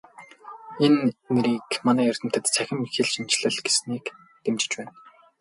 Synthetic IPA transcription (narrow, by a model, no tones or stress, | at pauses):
enːeɾiːkmanæːœr̥ʲt̪ɘ̆m̥t̪ɘ̆t̪t͡sʰæxʲɪ̆mixĕɮʃint͡ɕɮɘ̆ɮɡesniːk | t̪emt͡ɕɪ̥̆t͡ɕpæːn